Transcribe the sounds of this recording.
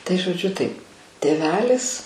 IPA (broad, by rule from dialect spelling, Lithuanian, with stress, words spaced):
tɐɪ ʒoːˈd͡ʒʲʊ tɐɪp tʲeːˈʋʲæːlʲɪs